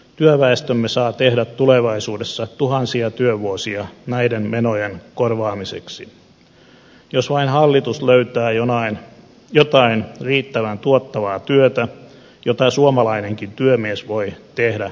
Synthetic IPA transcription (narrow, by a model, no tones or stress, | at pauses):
t̪yøʋæest̪ømːesɑːt̪ehdæt̪tːuleʋɑisuːdesːɑt̪uhɑnsiɑt̪yøʋuosiɑnæidenmenojenkorʋɑːmisḛksi | josʋɑinhɑlːit̪usløyɥt̪æːjonɑin | jot̪ɑinriːt̪ːæʋænt̪uot̪ːɑʋɑːt̪yøt̪æ | jot̪ɑsuomɑlɑineŋkint̪yømiesʋoit̪ehdæ